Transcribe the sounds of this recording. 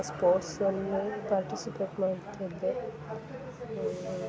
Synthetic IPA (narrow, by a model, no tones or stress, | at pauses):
spoːʈsonːupaːɾʈisipeːʈmaːɽt̪ɐd̪e